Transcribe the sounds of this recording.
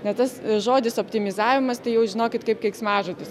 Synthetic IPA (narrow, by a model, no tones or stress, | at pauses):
nʲɛt̪ɐsʒoːd̪ʲɪsopʲt̪ʲɪmʲɪzɑːʋʲɪmɐst̪ɐɪjɛʊʒʲɪnoːkʲɪt̪kɐɪpkɛɪksmɑːʒot̪ʲɪs